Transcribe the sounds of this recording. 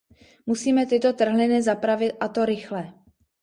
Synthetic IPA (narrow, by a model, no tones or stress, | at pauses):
musiːmɛt̪ɪt̪o̞t̪r̩ɦlɪnɪzapɾavɪt̪ʔat̪oɾɪxlɛ